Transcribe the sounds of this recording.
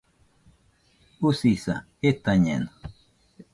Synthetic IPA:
usisa̰ | et̪aɲḛn

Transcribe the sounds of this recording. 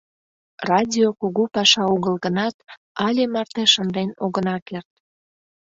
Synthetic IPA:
rɑdʲiokuɣupɑʃɑuɣəlɣənɑt̪ | ɑlʲemɑrt̪eʃənd̪enoɣənɑkert̪̚

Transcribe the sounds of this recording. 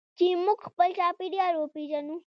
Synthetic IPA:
t͡ʃemʊɡxpəlt͡ʃaːpiɖijaɾopiʒɐnu

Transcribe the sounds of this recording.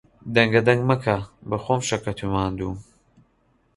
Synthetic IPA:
d̪ɐŋɡɐd̪ɐŋɡmɐkʰabɐxoːmʃɐkɐt̪ʰumaːnd̪uː

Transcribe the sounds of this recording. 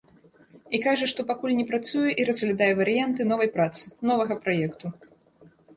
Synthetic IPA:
ikaʐɐʂt̪ɔpakulʲnʲɛpɾat̪sujɛʔiɾɐzɣlʲad̪ajɛvɐɾɨjant̪ɨnɔvɐjpɾat̪sɨ̥nɔvɐɣɐpɾajɛkt̪u

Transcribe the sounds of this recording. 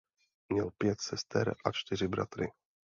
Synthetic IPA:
mɲɛlpjɛt̪sɛst̪ɛ̰ɾʔat͡ʃt̪ɪr̝ɪbɾa̰t̪ɾɪ

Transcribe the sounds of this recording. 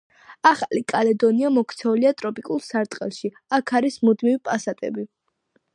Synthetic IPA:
aχalikʼalɛd̪ɔniamɔkʰt̪sʰɛuliat̪ʼɾɔpʼikʼulˠsaɾt̪ʼqʼɛ̰lˠʃi | akʰaɾismud̪mivipʼasat̪ʼɛ̰bi

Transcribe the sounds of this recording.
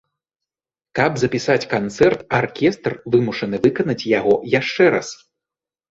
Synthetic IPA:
kɐbzɐpʲisat͡sʲkant̪sɛrt̪arkʲɛst̪rvɨmuʂɐnɨvɨkɐnɐt͡sʲjaɣɔjaʂt͡ʂɛɾa̰s

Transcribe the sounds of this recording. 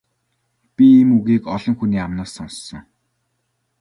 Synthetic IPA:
pʲiːmuɣiːkɔɮɞ̆ŋxuniːamnaːsːɔnsːɞ̆ŋ

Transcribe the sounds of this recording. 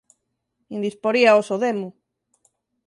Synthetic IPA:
ind̪ispoɾiaosoðemu

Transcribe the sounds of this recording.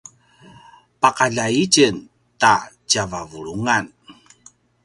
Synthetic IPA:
pakaʎait͡ʃən | t̪a | t͡ɕavavuɭuŋan

